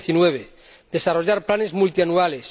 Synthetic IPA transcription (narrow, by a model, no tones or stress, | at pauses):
θinweβ̞e | d̪e̞saroʎaɾplane̞zmult̪ianuale̞s